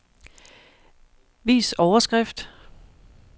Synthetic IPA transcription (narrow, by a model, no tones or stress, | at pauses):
ʋḭːsɒʊɐsɡ̥ʁɛfd̥